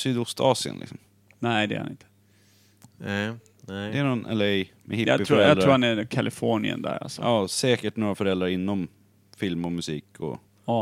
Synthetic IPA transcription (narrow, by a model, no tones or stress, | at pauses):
syːd̪ʊst̪ɑːsɪə̰nlɪ̰ksɔm | nɛjd̪ɛ̰ɾha̰nɪ̰nt̪ʰə̥ | d̪ɛːɳɔnɛ̰ləɛjmɛ̰hɪːɪfœɾɛɑt̪d̪ɾaɾuːhanɛkʰalɪfɔɳɪə̰nd̪æ̰ɾa̰lsɔɑːsɛːkəʈnoːɾafœɾɛld̪ɾaɾɪnːɔm | fɪlmɔmɵsiːkʰɔ̰